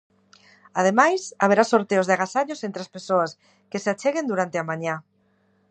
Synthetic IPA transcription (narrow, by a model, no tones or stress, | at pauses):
að̞emajsaβ̞eɾasoɾt̪eozðaɣasaʎosent̪ɾaspesoas | keseat͡ʃeɣend̪uɾant̪eamaɲa